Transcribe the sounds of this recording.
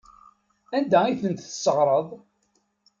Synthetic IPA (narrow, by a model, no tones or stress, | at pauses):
ænd̪æiθənt̪θə̥sːəʁɾˤəðˤ